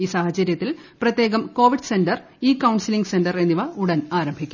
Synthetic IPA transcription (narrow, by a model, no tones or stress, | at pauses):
iːsaːhɐt͡ɕɐɾjɐt̪ːilprɐt̪ːje̞ːɣɐmko̞ːʋiɖsendɐr | iːkɐwɳsiliŋɡse̞ndɐre̞nːiʋɐuɽɐnaːɾɐmbʱikʲːu̥